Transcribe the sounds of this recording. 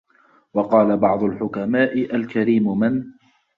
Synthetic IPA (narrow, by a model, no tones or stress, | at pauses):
wɑqɑːlabɑʕd̪ˤʊlħʊkamaːʔɪʔalkaɾiːmmɪn